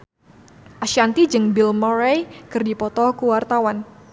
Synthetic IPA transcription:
ʔaʃiant̪id͡ʒɨŋbilmɔɾajkɨrdipɔt̪ɔkuwart̪awan

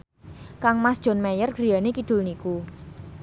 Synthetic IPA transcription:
kaŋmasd̥ʒ̥ɔ̤nmɛjərɡ̥ɾijanekid̪̥ʊ̤lniku

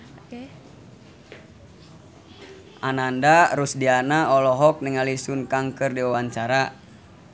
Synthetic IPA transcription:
ʔanandaɾusdianaɔlɔɦɔk̚niŋalisunkaŋkɨrdiwawaɲt͡ʃaɾa

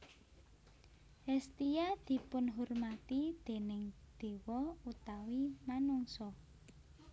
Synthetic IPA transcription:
hɛst̪ijad̪̥i̤pʊnɦurmat̪id̪̥e̤nɪŋd̪̥e̤wɔut̪awimanuŋsɔ

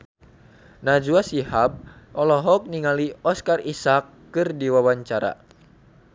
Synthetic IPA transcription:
nad͡ʒuasihab̚ʔɔlɔɦɔk̚niŋaliɔskarisakːɨrdiwawaɲt͡ʃaɾa̰

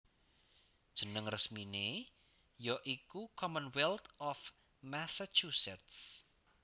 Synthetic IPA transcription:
d̥ʒ̥ənəŋrəsmine | jɔʔikukʰɔmənwɛlt̪ɔf | masat͡ʃusɛt̪s

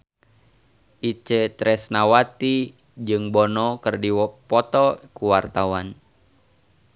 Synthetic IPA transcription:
ʔit͡ʃɛt̪ɾɛsnawat̪i | d͡ʒɨŋbɔnɔkərdiwɔpɔt̪ɔkuwart̪awan

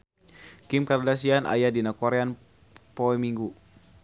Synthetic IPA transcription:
kimkardas̬ianʔa̰jadinakɔɾɛan | poɛmiŋɡu

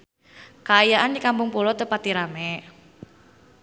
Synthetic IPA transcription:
kaːjaʔandikampʊŋpulɔt̪əpat̪iɾamɛ

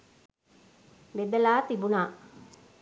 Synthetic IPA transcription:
ʋed̪əlaːt̪ibunaː

